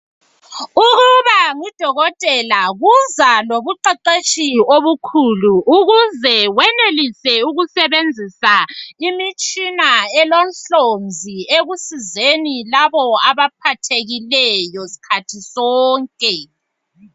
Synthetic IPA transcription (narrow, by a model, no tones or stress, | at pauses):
uɣuβaŋid̥ʱɔɣɔtʼɛlaɣuzaloβuǃɛǃeʃioβukʰuluʔuɣuzɛwɛnelisɛuɣusɛβend͡zʱisaimit͡ʃʼinaɛlonɬonzʱieɣusizenilaβɔaβap̚ʰatʰeɣilɛjɔsi̥kʰatʰisɔːŋkʼɛ